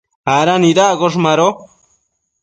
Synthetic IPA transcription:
haɾaniɾaɡoʂ̬maɾo

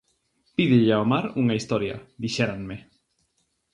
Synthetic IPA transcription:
piðɪʎaomaɾuŋaist̪ɔɾja̰ðiʃɛɾaŋmɪ

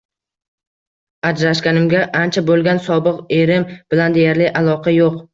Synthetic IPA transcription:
ad͡ʒɾaʃkʲanɪmɡʲaʔant͡ʃʰabolˠɡʲansɒbɨqe̞ɾɪmb̥ɪland̪ejaɾlɪʔalˠɒqʰɑjoq

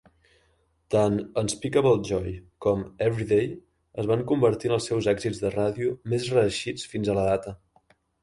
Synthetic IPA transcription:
t̪anənspikəβəlˠʒɔjkɔmɛβɾiðej | əzβaŋkumbəɾt̪iənəlˠsɛwzɛɡzid͡zðəraðiumezrəːʃit͡sfinzələðat̪ə

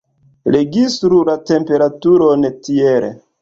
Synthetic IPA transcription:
ɾeɡistɾulate̞mpe̞ɾatuɾonetieɾḛ

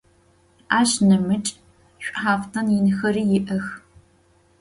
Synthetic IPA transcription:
aːɕnɐmɨt͡ʃʼ | ɕʷʼħaːftʰɐnjinɨxɐɾiːjɪʔɐx

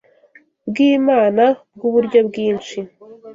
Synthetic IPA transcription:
bɡiːmaːnabɡuβuɾɟo̞bɡiːnt͡ʃi

